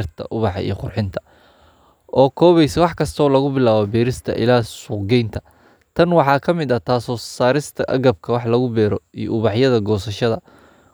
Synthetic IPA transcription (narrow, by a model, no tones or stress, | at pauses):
rt̪ʰɐ̰ʔʊβɑħɑ̰ḭjɔqʊrħɪnt̪ʰɐ̥ | ʔɔːkʰɔːβɛjsɐwɑħkʰɐst̪ʰɔːlɐɣʊbɪlaːβɔbɛːɾɪst̪ʰɐʔɪ̰laːsʊqɡɛjnt̪ʰɐ̥ | t̪ʰɐnwɑħɑːkʰɐmɪd̪ɐt̪ʰaːsɔːsaːɾɪst̪ʰɐʔɐɣɐb̚kʰɐwɑħlɐɣʊbɛːɾɔij̰ʔʊβɑħjɐðɐɡɔːsɐʃɐðɐ